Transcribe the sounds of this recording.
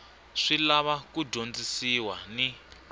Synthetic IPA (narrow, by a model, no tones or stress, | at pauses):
ʂilaβakudʱond͡zisiwani